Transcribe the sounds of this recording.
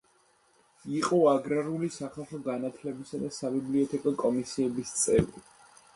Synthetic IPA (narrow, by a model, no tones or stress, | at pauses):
iqʼɔaɡɾaɾulisaχalˠχɔɡanat̪ʰlɛbisad̪asabibliɛt̪ʰɛkʼɔkʼɔmisiɛbist̪sʼɛ̰vli